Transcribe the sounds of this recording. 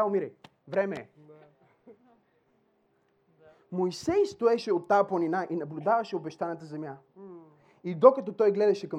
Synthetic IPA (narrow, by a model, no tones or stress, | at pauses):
aomiɾɛ | vɾɛmɛ | mojsɛjst̪oɛʃɛot̪ːaplˠɐninaʔinɐblʲud̪avɐʃɛobɛʃt̪anɐt̪̬əzɛmja | id̪okɐt̪ɔt̪ɔjɡlɛd̪ɐʃɛkɐ